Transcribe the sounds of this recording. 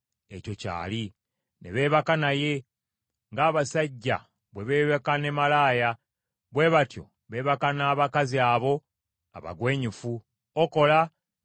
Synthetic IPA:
eco̞ca̰ːli | ne̞̰βe̞ːβakanaje̞ | ŋɡaːβasaɟːa̰ | βwe̞βe̞ːβekane̞malaːja | βwe̞βatjo̞̰ | βe̞ːβakanaːβakaziaːβo̞ | a̰βa̰ɡwe̞ːɲifu | oko̞la

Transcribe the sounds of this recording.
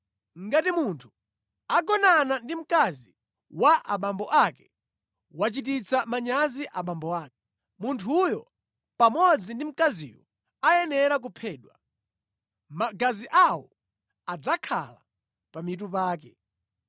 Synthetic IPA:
ŋɡatimuntʰu̥ | aɡɔnanandim̩kazi | waʔa̰ɓambɔʔakɛ | wat͡ʃitit͡samaɲaziʔaɓambɔwaːk̚ɛ | muntʰujɔ | pamɔd͡zindim̩kazḭwɔ̰ | ajɛnɛɾak̬upʰɛːɗwa | maɡaziʔawɔ | ad͡zakʰa̰la | pamitup̬aːk̬ɛ

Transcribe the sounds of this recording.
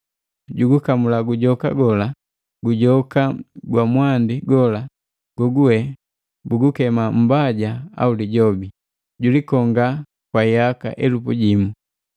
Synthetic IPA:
ɟuɡukamulaɡuɟɔka̰ɡɔla | ɡuɟɔkaɡwamwandiɡɔla | ɡ̥ɔɡuɛ | buɡukɛmam̩baɟaa̰uliɟɔbi | ɟulikɔŋɡa | kwaiaka̰ʔɛlupuɟimu

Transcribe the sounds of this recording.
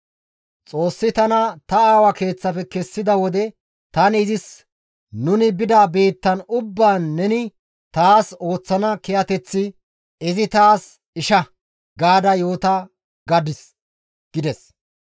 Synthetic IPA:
t͡sʼo̞ːsːɪt̪ɐnɐt̪ɐaːwɐke̞ːt͡sːɐpɛkɛsːɪd̪ɐwɔd̪ɛ | t̪ɐnɪzɪs | nʊnɪbɪd̪aːbe̞ːt̪ːɐnʊbːaːnːɛnɪ | t̪aːso̞ːt͡sːɐnɐkɛjɐt̪ɛt͡sːɪ | ɪzɪt̪aːs | ɪʃɐ | ɡaːd̪ɐjo̞ːt̪ɐ | ɡɐd̪ɪs | ɡ̥ɪd̪ɛs

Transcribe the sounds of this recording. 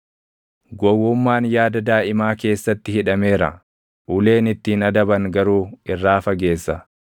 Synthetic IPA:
ɡɔwːʊmːaːnjaːd̪ɐd̪aːʔɪmaːke̞ːsːɐt̪ːɪhɪᶑɐme̞ːɾɐ̰ | ʔʊle̞ːnɪt̪ːɪnɐd̪ɐbɐŋɡɐɾuːɪrːaːfɐɡe̞ːsːɐ

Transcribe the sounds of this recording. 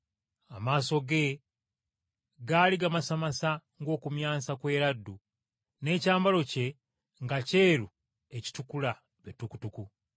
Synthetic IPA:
amaːso̞ɡe̞ | ɡaliɡamasamasaŋɡo̞ːkumjaːsakwe̞ːɾadːu | ne̞ːcaːmbalo̞ce̞ | ŋɡace̞ːɾu | e̞ci̥tukula | βetuku̥tuku

